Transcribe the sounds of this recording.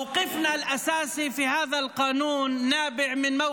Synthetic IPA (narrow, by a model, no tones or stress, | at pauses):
wqɪfnalʔasaːsifihaːðalqɑːnuːnːaːbɪʕmɪnma